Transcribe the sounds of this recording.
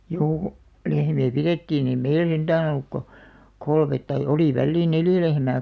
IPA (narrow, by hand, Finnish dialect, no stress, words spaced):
juː lehmiæ piretːiːn ei meil send̥æːn olːuk ko kolmet tɑi oli ʋælːiːn neljæ lehmæː